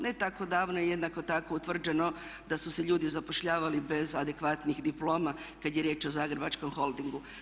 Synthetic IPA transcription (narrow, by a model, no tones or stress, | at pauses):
net̪ako̞d̪aːʋnojeje̞d̪nako̞t̪ako̞ut̪ʋr̩d͡ʒe̞no̞d̪asuseʎuːd̪izapoʃʎaːʋalibe̞zad̪e̞kʋat̪nixd̪iplo̞ːmakad̪je̞ɾjeːt͡ʃo̞zaːɡɾebat͡ʃko̞mxo̞ld̪iŋɡu